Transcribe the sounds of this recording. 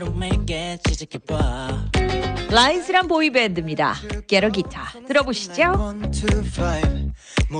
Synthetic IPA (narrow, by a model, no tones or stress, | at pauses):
omekɛt͡ʃkpa | laisʰɯɾanpoibendɯmɲida̰keɾʌɡitʰa̰tɯɾʌboɕʰi̥d͡ʑontʰufaɪv